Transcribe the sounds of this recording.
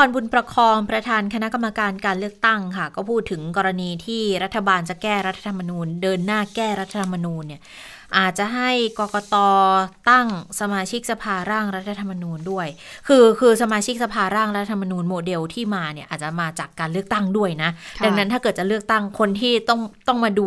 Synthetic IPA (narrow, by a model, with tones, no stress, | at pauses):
kɔː˧nbu˧npɾa˧kʰɔː˧ŋpɾa˧t̪ʰaː˧nkʰa˧na˦˥ka˧mːa˧kaː˧nkaː˧nlɯ˥˩ək̚t̪a˥˩ŋkʰa˥˩kɔː˥˩pʰuː˥˩t̪ʰːɯ˩˦ŋkɔː˧ɾa˧niː˧t̪ʰiː˥˩ɾa˦˥t̪ʰːa˧baː˧nt͡ɕa˨˩kɛː˥˩ɾa˦t̪ʰːa˧t̪ʰa˧mːa˧nuː˧ndɤː˧nːaː˥˩kɛː˥˩ɾa˦˥t̪ʰːa˧t̪ʰa˧mːa˧nuː˧nːi˥˩ɐ | ʔaː˨˩t̪̚t͡ɕa˨˩ɦa˥˩jkɔː˧kɔː˧t̪ɔː˧t̪a˥˩ŋsa˧maː˧t͡ɕʰi˦˥k̚sa˧pʰaː˧ɾaː˥˩ŋɾa˦˥t̪ʰːa˧t̪ʰa˧mːa˧nuː˧ndu˥˩əjkʰɯː˧kʰɯː˧sa˧maː˧t͡ɕʰi˦˥k̚sa˧pʰaː˧ɾaː˥˩ŋɾa˦˥t̪ʰːa˧t̪ʰa˧ma˧nuː˧nmoː˧de˧wt̪ʰiː˥˩maː˧ni˥˩ɐʔaː˨˩t͡ɕa˨˩maː˧t͡ɕaː˨˩kːaː˧nlɯ˥˩ək̚t̪a˥˩ŋdu˥˩əjna˦˥ʔda˧ŋna˦˥t̪ʰa˥˩kɤː˨˩t̪̚t͡ɕa˨˩lɯ˥˩ək̚t̪a˥˩ŋkʰo˧nt̪ʰiː˥˩t̪ɔ˥˩ŋt̪ɔ˥˩ŋmaː˧duː˧